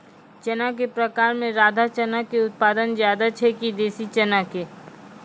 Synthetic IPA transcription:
t͡ʃɐnakepɾɐkaːɾmẽɾaːd̪ʱat͡ʃɐnakeʊt̪̚paːd̪ənzjaːd̪at͡ʃʰɛkid̪eːsit͡ʃɐnakeː

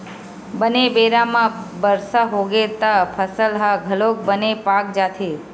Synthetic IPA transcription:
bənebeɾamãbəɾsaɦoɡet̪apʰəsəlɦãɡʱəlok̚bənepak̚d͡ʒat̪ʰe

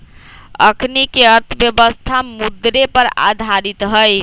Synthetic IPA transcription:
ə̰kʰnikeəɾt̪ʰəbjəbəst̪ʰamud̪ɾepəɾa̰d̪ʱaɾit̪ɦəj

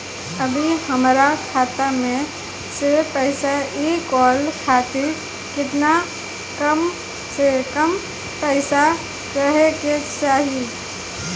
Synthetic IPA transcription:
əbʱihəmɾakʰaːt̪amẽ | sepəɪsaeːkɔːlkʰaːt̪ɪl | kɪt̪na | kəm | sekəm | pəɪsa | ɾəɦeket͡ʃaːɦi

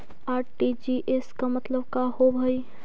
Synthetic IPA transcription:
aʈid͡ʒiʔeskamət̪ləbkahobʱəj

